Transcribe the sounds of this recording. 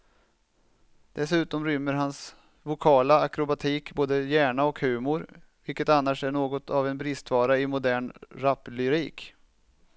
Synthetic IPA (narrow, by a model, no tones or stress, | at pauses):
d̪̥ɛsʉ̟ːt̪ɔmɾʏmːəɾɦans | vʊkʰɑːlaakɾʊbat̪ʰiːkboːd̪əjæːɳaɔkhʉ̟ːmʊɾvɪlkət̪anːaʂæɳoːɡɔt̪ʰavɛnbɾɪst̪vɑːɾaɪmʊd̪æːɳɾapːlʏɾḭːk